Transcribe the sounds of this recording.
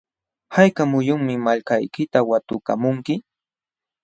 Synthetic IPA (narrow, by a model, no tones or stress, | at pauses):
hajkamʊjʊŋmɪmaʎkajkɪt̪awat̪ʊka̰mʊŋkɪ